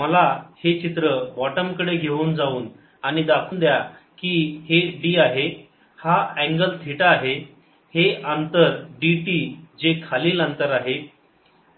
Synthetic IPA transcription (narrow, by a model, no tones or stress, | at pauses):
məlahet͡ɕit̪ɾəbɔʈəmkəɽeɡʱeʋuːnd͡zauːn | aɽ̃id̪akʰuːnd̪ja | kiːheɖiːaɦe | haɛ̃ŋɡəlt̪ʰiʈaːɦe | heant̪əɾɖiʈid͡ʑekʰaliːlant̪əɾaɦe